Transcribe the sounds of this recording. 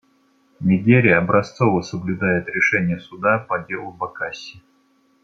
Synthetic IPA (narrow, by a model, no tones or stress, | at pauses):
nʲɪɡʲeɾʲɪjəɐbɾɐst̪sovəsəblʲʊd̪ajɪt̪ɾʲɪʂɛnʲɪjəsʊd̪apɐdʲe̞lˠʊbɐkasʲɪ